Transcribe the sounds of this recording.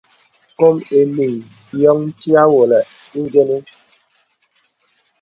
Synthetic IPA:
ko˦me˨mi˨ | jɔ˦ŋn̩˦ti˦a˦wo˨lɛ˨i˦ɡe˦nu˦

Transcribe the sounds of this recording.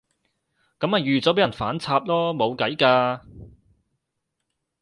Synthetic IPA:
kɐ˨˥ma˨jyː˨t͡sɔː˨˥p̬e˨˥jɐ˨˩nfaː˨˥nt͡sʰaː˧p̚lɔː˥mo˨˧wkɐ˨˥jkaː˧

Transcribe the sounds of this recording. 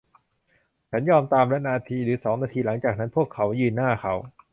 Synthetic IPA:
t͡ɕʰa˦˥njɔː˧mt̪aː˧mɾa˦˥naː˧t̪ʰiː˧ɾɯː˩˦sɔː˩˦ŋnaː˧t̪ʰiː˧la˩˦ŋt͡ɕaː˨˩k̚na˦˥npʰu˥˩əkʰːa˩˦˥wjɯː˧˩nːaː˥˩kʰa˦˥w

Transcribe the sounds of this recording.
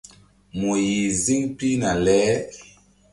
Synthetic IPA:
mo˨ji˨zi˦ŋpi˦na˨lɛ˨˦

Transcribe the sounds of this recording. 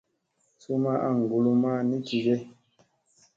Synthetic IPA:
su˦ma˦ʔa̰˦˨ŋ̩˨ɡu˨lu˦ma˦ni˦ti˨ɡe˦

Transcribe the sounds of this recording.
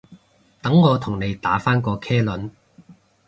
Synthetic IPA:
t̪ɐ˨˥ŋːɔː˨˧t̪ʰʊ˨˩ŋne˨˧jt̪aː˨˥faː˥nkɔː˧kʰɛː˥lɵ˨˥n

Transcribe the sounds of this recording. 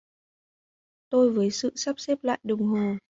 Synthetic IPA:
t̪o˧jvəː˨˦jsɨ̰˧˨sa˦˥p̚sɛ˦˥p̚la̰ː˧˨jɗə˨˩wŋ͡mɦo˨˩

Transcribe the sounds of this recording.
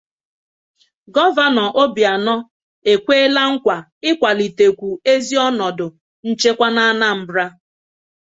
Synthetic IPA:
ɡɔ˦va˦nɔ˨ʔo˦bi˨a˨nɔ˦ | e˨kʷe˦e˦la˦ŋ̩˦kʷa˨ | ɪ˦kʷa˨li˨te˨kʷu˨e˦zi˦ɔ˦nɔ˨dʊ˨ | n̩˦t͡ʃe˦kʷa˦na˦na˦m̩˦bɾa˦

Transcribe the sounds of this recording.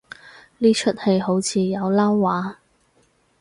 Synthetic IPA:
liː˥t͡ʃʰɵ˥t̚he˨˧jho˨˥wt͡sʰiː˨˧jɐ˨˧wlaː˥wːaː˨˥

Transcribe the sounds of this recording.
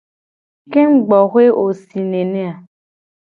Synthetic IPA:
ke˦ŋ͡m̩˦ɡ͡bɔ˨xwe˦o˨si˨nẽ˨nẽ˦a˨

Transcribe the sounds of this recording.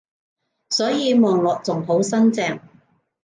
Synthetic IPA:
sɔː˨˥jiː˨˧mɔː˨ŋlɔː˨k̚t͡sʊ˨˩ŋɦo˨˥wsɐ˥nt͡sɛː˧ŋ

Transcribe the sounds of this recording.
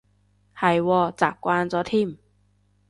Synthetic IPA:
ha˨˧˩jwɔː˧˩t͡saː˨˩kkːwaː˧nt͡sɔ˧˥t̪ʰi˧˩˨m

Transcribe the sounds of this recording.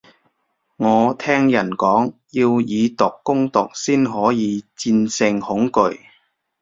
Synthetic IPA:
ŋɔː˨˧t̪ʰɛː˥ŋjɐ˨˩nkɔː˨˥ŋjiː˧wjiː˨˧t̪ʊ˨˩kːʊ˥ŋt̪ʊ˨k̚siː˥nɦɔː˨˥jiː˨˧t͡siː˧nsɪ˧ŋhʊ˨˥ŋkɵ˨˧ɥ

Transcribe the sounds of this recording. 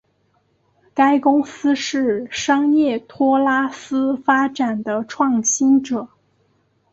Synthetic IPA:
ka˥ɪkʊ˥ŋsɹ̩˥ʂɻ̩˥˩ʂɑ˥ŋjɛ˥˩t̪ʰwɔ˥la˥sɹ̩˥fa˥ʈ͡ʂa˨˩nd̪ə˦ʈ͡ʂʰwɑ˥˩ŋɕi˥nʈ͡ʂɤ˨˩˦

